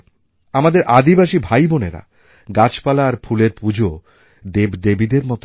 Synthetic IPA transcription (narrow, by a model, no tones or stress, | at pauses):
amad̪eɾʔad̪ibaʃibʱajboneɾa̰ | ɡat͡ɕpalaːɾpʰuleɾpud͡ʑʱo | d̪ebd̪ebid̪eɾmɔt̪